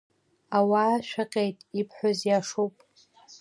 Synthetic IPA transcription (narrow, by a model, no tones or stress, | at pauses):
awaːʃᶣaqʲʼejtʼipʰħᶣʷozjaʂuwpʼ